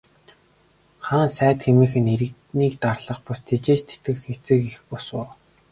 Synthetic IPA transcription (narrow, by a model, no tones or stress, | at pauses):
χaːnsæːt̪xemĭːxɘ̆neɾɘ̆k | niːkt̪arɮə̆χpʊst̪ʰet͡ɕeːt͡ɕt̪ʰe̥t̪ɡɘ̆xxet͡sɘ̆kixpʊsʊː